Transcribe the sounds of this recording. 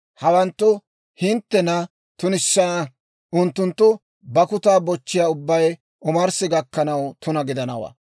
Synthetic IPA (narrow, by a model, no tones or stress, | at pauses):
hɐwɐnt̪ːʊ | hɪnt̪ːɛnɐ | t̪ʊnɪʃːɐnɐ | ʔʊnt̪ːʊnt̪ːʊ | bɐkʊt̪aːbɔt͡ʃːɪjaʊbːɐj | ʔʊmɐɾsɪɡɐkːɐnɐwt̪ʊnɐɡɪd̪ɐnɐ̰wa̰ː